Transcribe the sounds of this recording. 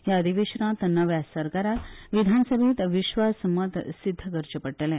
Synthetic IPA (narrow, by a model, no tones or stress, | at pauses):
jaəd̪iʋeɕnãt̪nəʋjasəɾkaɾat̪ʋid̪ʱansəbʱit̪ʋiɕʋasməd̪ʱsid̪ʱːəɡəɾt͡ɕəpəʈːəlɛ̃